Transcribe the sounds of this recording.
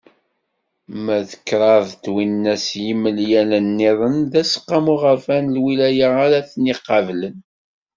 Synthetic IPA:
mæðəkːɾˤɑðt̪winːæsjimːəljælənːiðˤənðæsqːɑmuʁəɾfænlwilæjəaɾæθniqːɑvlən

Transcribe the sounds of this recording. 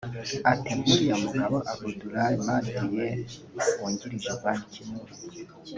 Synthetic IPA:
atembuɾijamuɡaβoʔaɡuduɾaimaːndijewoːɲɟiɾiʒeβanicimuɾi

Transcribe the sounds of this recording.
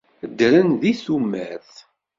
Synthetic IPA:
əd̪ɾənðiθumːæθ

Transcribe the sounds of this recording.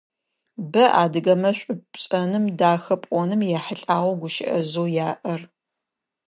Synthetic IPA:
bɐʔa̰ːdɨɡɐmɐɕʷʼʊɕʼɐnɨmdaːxɐpʷʼɔnɨmjaħəɬʼaːʁʷɐɡʷʊʃɪʔɐ̰zowjaːʔɐr

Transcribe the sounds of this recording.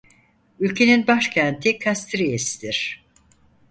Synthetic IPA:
ylʲcʰe̞ninbaʃcʰænt̪ʰikʰast̪ɾijesid̪iɾ̥

